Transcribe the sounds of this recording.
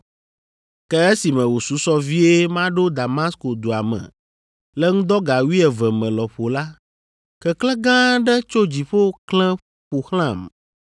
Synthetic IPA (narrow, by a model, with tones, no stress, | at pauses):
kɛ˦e˦si˨mɛ̃˨wo˨su˨˦sɔ˦vi˦e˦mã˦ɖo˦d̪a˨mã˦sko˨d̪o˨a˨mɛ̰̃˨ | lɛ˦ŋũ˦d̪ɔ˦ɡa˨wi˦ɛ˨vɛ˨mɛ̃˨lɔ˨ɸo˨la˦ | kɛ˦klɛ̃˦ɡã˦ɖɛ˦t͡ʃo˦d͡ʑi˨ɸo˦klɛ̃˦ | ɸu˨xl̃ã˦˨m